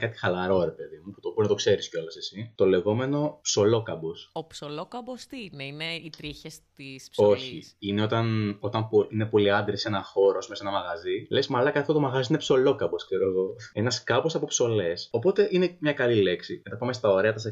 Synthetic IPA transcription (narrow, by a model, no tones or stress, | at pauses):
kɐt̪i̥xɐlɐɾo̞ɾe̞pe̞ðimuput̪okuonɐt̪o̞kse̞ɾisco̞lɐsesit̪o̞le̞ɣo̞me̞no̞pso̞lo̞kɐbosopsolokɐbost̪ineineit̪ɾiçest̪iso̞çiineo̞t̪ɐno̞t̪ɐmpoine̞po̞liɐnd̪ɾise̞nɐxo̞ɾo̞smesenɐmɐɣɐzile̞smɐlɐkɐt̪ift̪ot̪mɐɣɐziinepso̞lo̞kɐbo̞skseɾo̞eɣo̞e̞nɐskɐbosɐpopso̞le̞so̞po̞t̪e̞ʔinemɲɐkɐlile̞ksimet̪ɐpɐme̞st̪ɐo̞ɾe̞ɐt̪ɐse